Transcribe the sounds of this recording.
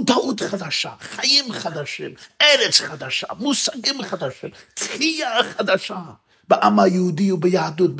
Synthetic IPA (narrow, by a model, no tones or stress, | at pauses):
d̪aʔut̪χad̪aʃaχajimχad̪aʃḭmʔɛɾɛt͡sχad̪aʃa̰musaɡimχad̪aʃimt̪χijaχad̪aʃa | bəʔamhajəhud̪iubəjaad̪ut̪̚b